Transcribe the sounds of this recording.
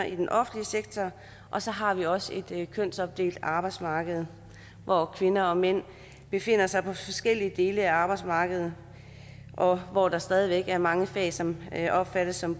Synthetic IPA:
ɐid̥enʔɒ̽fn̩liəseɡ̥̚t͡sʰɒ | ʔɒ̽sɒ̽ɦɑ̈ʋiɒ̽səe̝d̥kʰøn̰sɒ̽b̥̚d̥e̝̰ːld̥ɑ̈ːb̥ɑ̈ɪ̥smɑ̈ːɡ̥əð̞̩ˠ | ʋʔɒkʰʋe̝nɐɒ̽men̰ | b̥e̝fe̝n̰ɐsɑ̈ɪpʰɒ̽fɒ̽sɡ̥el̰iəd̥e̝ːləæɑ̈ːb̥ɑ̈ɪd̥smɑ̈ːɡ̥əð̩ˠ | ʔɒ̽ʋɒd̥ɑ̈sd̥ɛːð̞ˠiʋeɡ̥æɐmɑ̈ŋəfɛ̰ːsɒ̽mʔɒ̽b̥fæɾ̥əsːɒ̽m

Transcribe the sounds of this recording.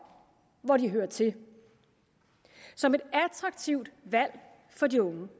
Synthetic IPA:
ʋɒd̥iɦøːɐt͡sʰe̝ | sɒ̽me̝d̥æt͡sʰʁɑ̈ɡ̥̚t͡sʰiʊ̰d̥ʋæl̰ | fɒ̽diɔ̽ŋə

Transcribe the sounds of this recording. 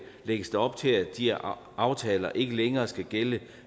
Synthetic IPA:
leɡ̥əsd̥ɑɒ̽b̥̚t͡sʰe̝læd̥i | ʔɑ̈ʊt͡sʰɛːlɐʔe̝ɡ̥əleŋɐːsɡ̥æɡ̥elə

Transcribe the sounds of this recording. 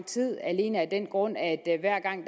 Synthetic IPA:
t͡sʰið̰ˠæle̝ːnəæd̥en̰ɡ̥ʁɔ̽n̰æd̥ʋæɐ̰ɡ̥ɑ̈ŋ̰d̥

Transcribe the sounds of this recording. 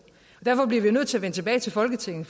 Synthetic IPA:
ɒd̥æɐfɒ̽b̥liɐʋinøð̰ˠt͡sʰe̝æɐʋen̰t͡sʰe̝b̥ɛːɪt͡sʰe̝lfɒ̽lɡ̥ət͡sʰe̝ŋn̩

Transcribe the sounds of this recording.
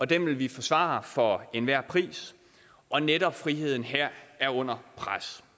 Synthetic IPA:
ɒ̽d̥emʋe̝lʋifɒ̽sʋɑ̰̈fɒ̽e̝nʋæɐ̰pʰʁḭːs | ɒ̽neɾ̥ɒ̽b̥fʁiɦe̝ð̞̰ˠn̩ɦæɐ̰æɐɔ̽n̰ɐpʰʁas

